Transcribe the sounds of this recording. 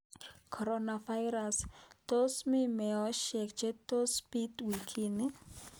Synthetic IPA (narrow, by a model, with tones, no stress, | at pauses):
kʰɔ˨ɾona˨va˦jɾa˨st̪o˦smi˦mɛ˨ɔ˦ʃɛ˨kd͡ʒe˦t̪o˦spi˦twi˨kʰi˦ni˦